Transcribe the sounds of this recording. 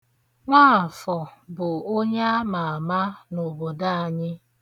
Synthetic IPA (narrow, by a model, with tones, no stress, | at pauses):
ŋʷaː˦˨fɔ˨bʊ˨o˦ɲe˦a˦ma˨a˨ma˦no˨bo˨da˦a˨ɲɪ˦